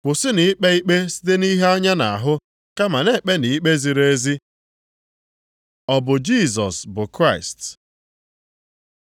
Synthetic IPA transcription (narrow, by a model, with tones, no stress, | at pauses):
kʷʊ˨sɪ˦ni˨ɪ˦k͡pe˦i˦k͡pe˦si̥˦te˦ni˦ɦe˦a˦ɲa˦na̰˨a˨ɦʊ˦ | ka˦ma˨ne˨k͡pe˦ni˨i˦k͡pe˦zi˨ɾe˦zi˦ | ɔ˦˨bʊ˨d͡ʒi˦˨zɔ̰˨sbʊ˨kɾa˦ɪ˨st